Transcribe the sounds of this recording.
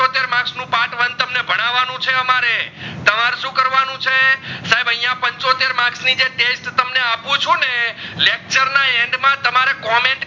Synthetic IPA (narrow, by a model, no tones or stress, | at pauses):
ot̪eɾmãksnũpãʈʋənt̪əmnebʱəɽ̃aʋanũt͡ʃʰeəmaɾet̪əmaɾʃũkəɾʋanũt͡ʃʰesaɦebəɦijãpəɲt͡ʃot̪eɾmaksnid͡ʒeʈesʈt̪əmneapũt͡ʃʰunelek̚t͡ʃəɾnaɛɳɖmãt̪əmaɾekɔmẽɳʈ